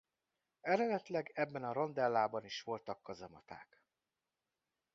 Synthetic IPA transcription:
ɛɾɛd̪ɛt̪lɛɡɛbːɛnɒɾo̞nd̪ɛlːaːbɒniʃʋo̞lt̪ɒkːɒzɒmɒt̪a̰ːk

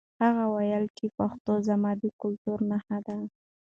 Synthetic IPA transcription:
haɣawajalt͡ʃepaxt̪ozamɑb̪ikʊlt̪uɾnahad̪a

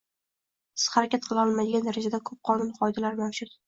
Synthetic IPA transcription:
sɪ̥z̥χaɾakʲat̪̚qʰɨlˠɒlˠmad̪ɪɡʲand̪aɾad͡ʒad̪akʰɵp̚qʰɒnʊnqʰɒjd̪alaɾmawʃʊd̪

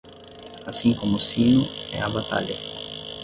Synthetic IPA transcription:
asĩŋkomʊsinʊɛ̰aβat̪a̰ʎɐ̰

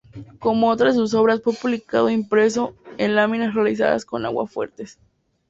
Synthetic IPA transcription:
ko̞moot̪ɾaðes̬us̬o̞βɾaspupuβlikaðoimpɾe̞s̬o̞enlamĩnasrealis̬a̰ða̰sko̞na̰ɣwa̰fwe̞̰ɾt̪e̞s

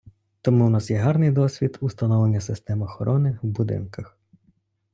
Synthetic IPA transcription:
t̪ɔmuwnɑsjɛɦɑrnɪjd̪ɔsʲʋʲid̪ust̪ɐnɔʋlˠenʲːɐsɪst̪ɛmɐxɔɾʔɔnɪwbʊd̪ɪ̰nkɐx

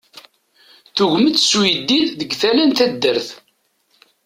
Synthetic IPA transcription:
θuʝmət̪ːswid̪ːiððəɡθælænt̪æd̪ːəɾθ

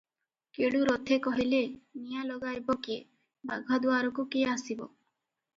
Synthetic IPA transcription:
keɽuɾɔt̪ʰekɔɦilenijalɔɡajbɔkie | ba̰ɡʱɔd̪uaɾɔkukiasibɔ̰

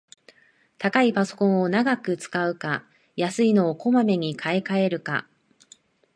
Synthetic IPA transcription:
t̪akaipaso̞̥kõ̞ɰ̃o̞naɡakɯ̟t͡sɨ̥kaɯ̟ka | jasɨino̞ːko̞mame̞ɲ̟ikʰaekae̞ɾɯ̟ka̰

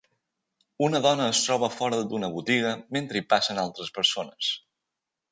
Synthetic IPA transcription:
unəðɔnəːst̪ɾɔβəfɔɾəd̪unəβut̪iɣəment̪ɾəipasənalˠt̪ɾəspəɾsonəs

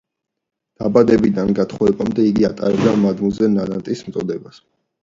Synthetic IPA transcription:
d̪̥abad̪ɛbid̪anɡat̪ʰχɔɛbamd̪ɛiɡiat̪ʼa̰ɾɛbd̪amad̪muzɛnad̪ant̪ʼismt̪sʼɔd̪ɛbas

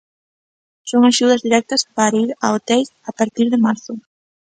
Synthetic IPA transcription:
soŋaʃuð̞ɐzðiɾɛk̚t̪ɐspaɾaiɾa̰ot̪ɛlapaɾt̪iɾðɪmaɾθʊ

